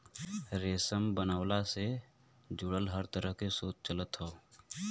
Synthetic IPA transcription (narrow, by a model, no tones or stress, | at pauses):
ɾeːsəmbənaːwlase | d͡ʒʊɽəlɦəɾt̪əɾəɦkesoːt͡ʃ̚t͡ʃələt̪ɦoː